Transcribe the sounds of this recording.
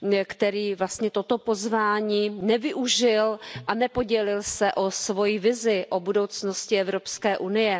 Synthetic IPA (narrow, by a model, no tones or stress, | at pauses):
kt̪ɛɾiːvlast̪ɲɛt̪o̞t̪opo̞zvaːɲiːnɛvɪʔuʒɪlʔanɛpo̞ɟɛlɪlsɛʔosvo̞jivɪzɪʔobudowt͡sno̞scɪɛvɾo̞pskɛːʔunɪjɛ